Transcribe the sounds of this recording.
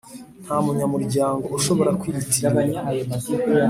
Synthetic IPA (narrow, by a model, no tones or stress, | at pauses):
n̥haːmuɲamuɾɟaːŋɡo̞uʃo̞βo̞ɾakwiːɾitiɾaɡaɲiajo